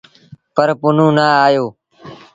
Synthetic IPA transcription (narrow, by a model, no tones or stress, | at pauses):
pəɾpʊnũːnaːaːjoː